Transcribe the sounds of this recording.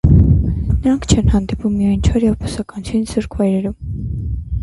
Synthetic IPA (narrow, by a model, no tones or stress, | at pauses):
nəɾɑŋkʰt͡ʃʰɛnhɑnd̪ipumːiɑjnt͡ʃʰɔɾjɛvpʰu̥sɑkɑnt͡sʰjunzuɾkʰvɑjɾɛɾum